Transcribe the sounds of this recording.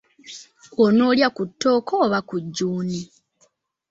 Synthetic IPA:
ono̞ːljakutːo̞ːkoːβakuɟːuːni

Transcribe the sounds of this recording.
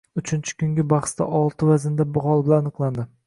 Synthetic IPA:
ʊt͡ʃʰɪnt͡ʃʰɪ̥kʲʰʊŋɡʲɪbɑχst̪a̰ʔɒlˠt̪ʰɪvazɪnd̪abʊhɒlˠbɪlanɨqlˠand̪ɪ

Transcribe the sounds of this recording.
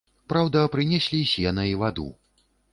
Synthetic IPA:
pɾawd̪ɐpɾɨnʲɛsʲlʲisʲɛnɐivad̪ṵ

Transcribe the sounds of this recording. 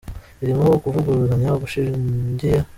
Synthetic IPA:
iɾimaβokuvuɡuɾuzaɲaɡuʃiindija

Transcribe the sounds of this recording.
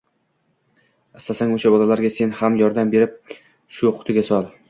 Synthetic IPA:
ast̪asaŋoʃabɒlalaɾɡʲase̞nhamjɒɾd̪ambe̞ɾɪp̚ | ʃʊχʰʊ̥t̪ʰɪɡʲasɒlˠ

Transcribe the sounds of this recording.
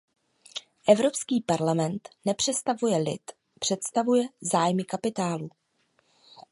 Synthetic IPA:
ʔɛvɾo̞pskiːpaɾlamɛnt̪nɛpr̝̥ɛst̪avujɛlɪ̰t̪ | pr̥ɛt̪st̪avujɛzaːjmɪkapɪt̪aːlu

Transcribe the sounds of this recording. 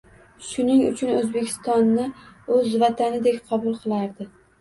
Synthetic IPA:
ʃʊnɪŋʊ̰t͡ʃʰʊnɵzbekʲʰɪ̥st̪ɒnːɪɵzvat̪ʰanɪd̪ekʲqʰɒbʊlˠqʰɨlˠaɾd̪ɪ

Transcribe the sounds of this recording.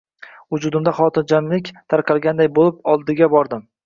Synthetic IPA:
vʊd͡ʒʊd̪ɪmd̪aχɒt̪ɪnd͡ʒanlɪkʲt̪ʰaɾqʰɑlˠɡʲand̪ajbolɪpɒlˠd̪ɪɡʲabɒɾd̪ɪm

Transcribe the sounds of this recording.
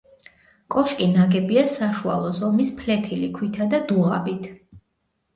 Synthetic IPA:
kʼɔʃkʼinaɡɛbiasaʃua̰lˠɔzɔmispʰlɛt̪ʰilikʰwit̪ʰad̪ad̪uʁa̰bit̪ʰ

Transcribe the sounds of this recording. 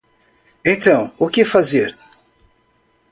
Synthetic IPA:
ẽt̪ɐ̃w̃ʊkɪfazeɾ

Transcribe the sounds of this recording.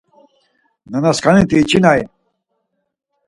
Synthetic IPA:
nənɐskanit̪iːt͡ɕinaj

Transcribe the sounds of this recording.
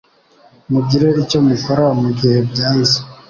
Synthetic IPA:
muɡiɾe̞ico̞muko̞ɾamuɡihe̞bɟaːnzi̥

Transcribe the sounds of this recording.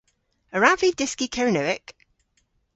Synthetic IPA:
əɹavidɪskikʰɛɹɪnoɪk

